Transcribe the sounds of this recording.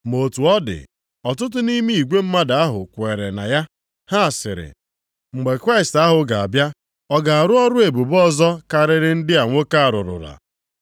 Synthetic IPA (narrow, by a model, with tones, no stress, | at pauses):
mo˨tu˨ɔ˦dɪ̰˨ | ɔ˨tʊ˦t̬ʊ˦ni˦mi˦i˨ɡʷe˦m̩˦ma˦da˨a˦ɦʊ̰˨kʷe˨ɾe˨na̰˨ja˦ | ha˦˨sɪ̰˨ɾɪ̰˨ | ŋ͡m̩˨ɡ͡be˨kɾa˦ɪ˨sta˦ɦʊ˨ɡa˨a̰˨bja˦ | ɔ˦ɡa˨a˨ɾʊ˦ɔ˦ɾʊ˦e˨bu˨bɔ˦˨zɔ˦ka˨ɾɪ˨ɾɪ˦n̩˦dɪ˦a˨ŋʷo˦ka˦a˨ɾʊ˨ɾʊ̰˨ɾa̰˨